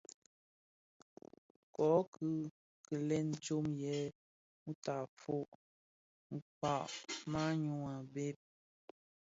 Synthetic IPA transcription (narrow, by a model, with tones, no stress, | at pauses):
kɔ˨˦kʰɯ˦ | kə˨lɛ˦n˨t͡ʃo˦mjɛ˨˦ | mu˦ta˨fo˦ʔ | ŋ̩˨k͡pa˨ʔma˦ɲu˦˨a˨be˦˨p̚